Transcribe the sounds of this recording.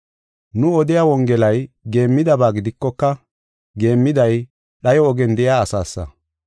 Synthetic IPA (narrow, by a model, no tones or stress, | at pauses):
nʊɔd̪ɪjaːwɔŋɡɛlɐjɡe̞ːmːɪd̪ɐbaːɡɪd̪ɪkːɔkːɐ | ɡe̞ːmːɪd̪ɐj | ɗɐjɔɔɡɛnd̪ɛjaːsaːsːɐ̰